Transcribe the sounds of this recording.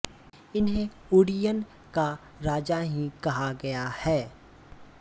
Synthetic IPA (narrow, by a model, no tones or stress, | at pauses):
ɪnɦẽ | ʊɽijən | ka | ɾaːd͡ʒaɦĩkɐɦaɡɐjahɛː